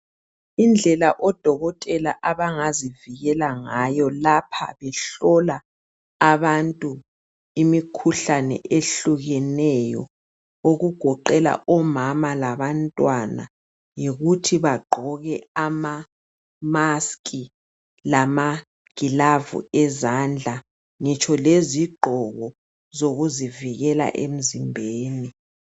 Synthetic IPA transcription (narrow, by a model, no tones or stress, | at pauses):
ind͡ɮʱɛlaʔɔd̥ʱɔɣɔtʼɛla̰ʔaβaŋaziviɣɛlaŋajɔlapʰa̰βɛɬɔlaː | βantʼu | imikʰuɬanɛ̰ʔeɬuɣɛnɛjɔ̰ | oɣuɡ̥ʱɔǃɛla̰ʔɔmamalaβantʼwana̰ | jiɣutʰiβaɡ͡ǃʱɔɣɛama | maskʼi | lama | ɡ̥ʱilavṵɛzand͡ɮʱa | ŋɛt͡ʃʰɔleziɡ͡ǃʱɔɣɔ | zoɣuziviɣɛla̰ʔem̩zimbʱeːni